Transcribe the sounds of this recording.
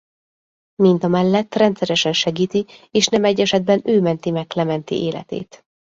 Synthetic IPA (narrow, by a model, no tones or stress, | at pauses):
mind̪ɒmɛlːɛt̪ːrɛnt̪sɛɾɛʃɛnʃɛɡiːt̪ieːʃnɛmɛɟːɛʃɛd̪̚bɛnøːmɛnt̪imɛklɛmɛnt̪ḭʔeːlɛ̰t̪ḛːt̪